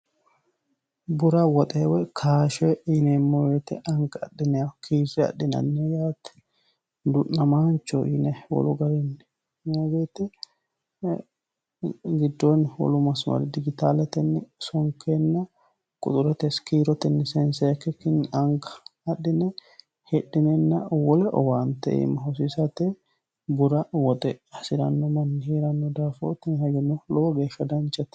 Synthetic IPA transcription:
bʊɾɐwɔt̪ʼewɛkʰaːʃɛinɛmːɔwet̪ɛʔɐŋɡɐɗɪnɛjakʰiːzɛɐ̰ɗɪnɐ̰nːɛjaːt̪ | d̪ʊnɐmaːnt͡ʃːɔʔḭnɛwɔ̰lɔɡɐɾɪn | maɡeːt̪ɛ | ɡɪd̪ːɔnwɔ̰lʊmɐsmɐ̰ɾɪd̪ɪɡɪt̪aːlɛt̪ɛnːɛsɔŋkenːɐ | kʼʊ̰t̪ʼʊɾɛt̪ɛskiːɾɔt̪ɛnːɛsɛnsɛkːɛkːɪnɐŋɡɐɐɗɪnɛ | hɛᶑɪnɛnːɐwɔlɛʔɔ̰waːnt̪ːɛ̰ḛmɐɦɔs̬isɐt̪ɛ | bʊɾɐwɔt̪ʼɛɐsɪɾɐ̰nːɔmɐnːɪhiːɾɐnːɔd̪aːfo̰ːt̪ːɪnhɛɡɛnːɔloːɡeːʃɐd̪ɐnt͡ʃɛt̪

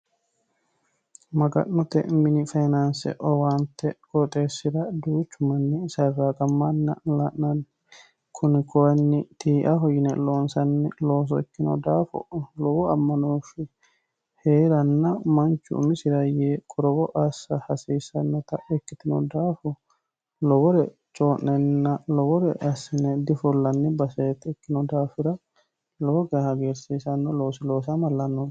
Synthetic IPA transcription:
mɐɡɐ̰ʔːɔt̪ɛ̰mɪnɪfajnansɛ̰ʔɔwant̪ɛkʼɔt̪ʼeːsːɪɾɐd̪uːt͡ʃːʊmɐnːɪsɐrːaːkʼɐmːɐnːɐlaʔnɐn | kʰʊnɪkʰɔɐnːɪt̪ʰiːʔɐɦɔjɪnɛ̰loːnsɐnːɛloːs̬ɔɛkːɪnɔ̰d̪aːfɔ̰lɔwɔɐmːɐnoːfɪ | heːɾɐnːɐmɐnt͡ʃːʊ̰ʊ̰mɪsɪɾɐjeːkʼɔɾɔbɔʔɐsːɐhɐsiːsɐnːɔt̪ɐɛkːɪt̪ɪnɔ̰d̪aːfʊ | lɔbɔɾɛ | t͡ʃʼoːnːɛnːɐlɔbɔɾɛʔɐsɪnɛd̪ɪfɔlːɐnːɪbɐsɛt̪ːɛkːɪnɔd̪aːfɪɾɐ | lɔbɔɡɐhɐɡeːɾsiːsɐnːɔlo̞ːsɪlo̞ːs̬ɐmɐlːɐnːɔn

